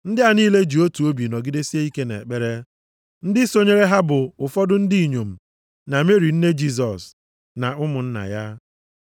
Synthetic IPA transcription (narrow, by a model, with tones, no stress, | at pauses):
n̩˦dɪ˦a˨niː˦le˦d͡ʒi˨o˦tu˨o˦bi˨nɔ˨ɡɪ˦de˦si˦e˦i˦ke˦nḛ˨k͡pe˦ɾe˦ | n̩˦dɪ˦so˦ɲe˦ɾe˦ɦa˦bʊ˨ʊ˨fɔ˦dʊ˦n̩˦di˦i˨ɲo˨m̩˨ | na˨me˦ɾi˨n̩˦ne˦d͡ʒi˦s̬ɔ˨s | na˨ʊ˦mʊ˨n̩˦na̰˨ja˦